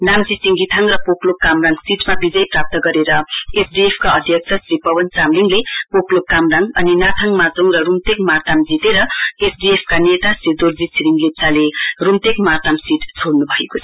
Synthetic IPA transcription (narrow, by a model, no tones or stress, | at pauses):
namd͡zisiŋɡit̪ʰʌŋrʌpoklokkːamraŋsiʈmabid͡zʌjprap̚t̪ʌɡʌɾeɾʌesɖiepʰkaʌd̪ʱjʌk̚t͡sʰʌsɾipʌbʌnt͡samliŋlepoklokkːamraŋʌninat̪ʰaŋmat͡soŋrʌrumt̪ekmart̪amd͡zit̪eɾʌesɖiepʰkanet̪aset̪ord͡zisʰiɾiŋlip̚t͡salerumt̪ekmart̪amsiʈt͡sʰoɽnubʱʌekot͡sʰʌ